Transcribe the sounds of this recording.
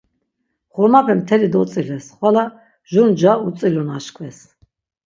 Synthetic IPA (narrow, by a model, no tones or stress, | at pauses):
χɔmapʰɛmt̪ʰɛlid̪ɔt̪t͡s̪ʼilɛsχwala | ʒund͡ʒaut͡s̪ʼilunaʃkʰvɛs